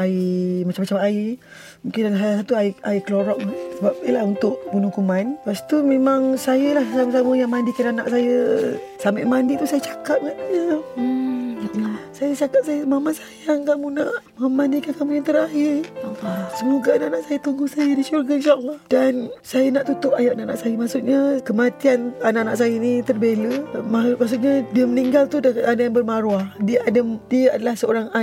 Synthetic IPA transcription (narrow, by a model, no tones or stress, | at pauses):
aimat͡ʃamat͡ʃamai | muŋkɪndansajsat̪uaiaikəloɾɔʔ̚səbap̚ijəlahunt̪ʊʔbunukumanpast̪umemaŋsajəlahsaməsaməjaŋmandikadana̰ʔsajə | samaʔmandit̪usajət͡ʃḁkap̚ŋaʔɲə | sajət͡ʃakap̚sajəmamansajaŋkamunaʔmamanikankamujaŋt̪əɾaɦɪraasəmoɡaanaʔanaʔsajat̪uŋɡuhsajədiʃurɡainʃaʔəlːɑhd̥ansajanaʔt̪ut̪ʊʔajaʔanaʔanaʔsajəmaʔsuʔ̪̚ɲakəmat̪iananaʔanaʔsajənit̪ərbeləmamaʔsuʔɲadiəməniŋɡalt̪udakat̪adajaŋbərmaɾuahdiəadadiəadalahsəoɾaŋa